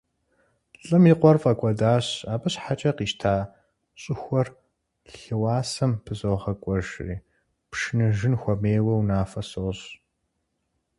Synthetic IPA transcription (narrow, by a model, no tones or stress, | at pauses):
ɬʼɨmiqʷɔrfʼɐkʷʼɔdaːɕaːbɨɕħat͡ʃʼɐqiːʃtʰaː | ɕʼɪxʷɔr | ɬɬɨwɑːsɐmpʰɨzoʁɐkʷʼɔʒrḭː | pʂɪnɨʒɪnxʷɔmeːwɐwnaːfɐsoːɕ